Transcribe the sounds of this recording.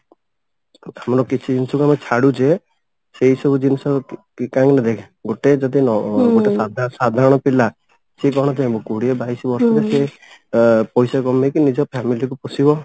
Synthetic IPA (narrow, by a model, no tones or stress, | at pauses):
amɔɾɔkit͡ʃʰid͡ʒinɔsɔkuamet͡ʃʰaɽud͡ʒe | seɦisɔbud͡ʒinɔsɔkikaŋnad̪ekʰ | ɡoʈed͡ʒɔd̪inɔɡoesad̪ʱsad̪ʱaɾɔɽ̃ɔpila | sekɔɾɔ̃ɽ̃ɔd͡ʒeabɔkuɽiɔbajsɔbɔɾsɔd͡ʒese | pɔjsakɔmekinid͡ʒɔpʰamilikupɔsibɔ